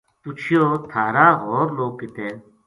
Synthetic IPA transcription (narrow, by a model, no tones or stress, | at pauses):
t̪ut͡ʃʰijoːt̪ʰaːɾaːɣoːɾloːɡ̚kit̪eː